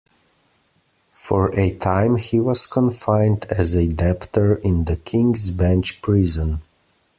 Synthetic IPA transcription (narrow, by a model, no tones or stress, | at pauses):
fə˞ʔɨtʰãɪ̃mhiwʌz̥kʰə̃ɱfãɪ̃ndɨzɨdɛptə˞ɪ̃nðɨkʰɪ̃ŋzbæ̃nt͡ʃpʰɹɪzə̃n